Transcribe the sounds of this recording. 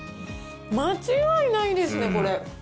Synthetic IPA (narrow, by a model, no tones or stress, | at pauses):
mat͡ɕiɡainaid̪e̞sɨne̞ko̞ɾe̞